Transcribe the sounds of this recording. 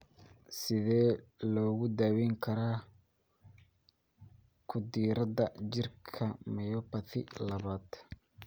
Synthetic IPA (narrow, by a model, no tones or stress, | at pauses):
sɪðɛːlɔːɣʊd̪aːwɛŋkʰɐɾaː | kʰʊd̪iːɾɐdɐd͡ʒɪrkʰɐmɐjɔːpɐt̪ʰɪ̰lɐβaːd̪